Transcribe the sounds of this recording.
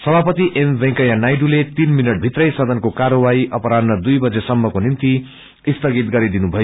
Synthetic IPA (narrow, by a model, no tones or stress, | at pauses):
sʌbʱapʌt̪iʔembẽŋkʌjanajɖulet̪inminʌʈ̚bʱit̪rʌjsʌd̪ʱʌnkokaɾowaiʔʌpʌɾadnʌd̪ujbʌd͡zesʌmːʌkonint̪i | ist̪ʌɡit̪̚ɡʌɾid̪inubʱʌjo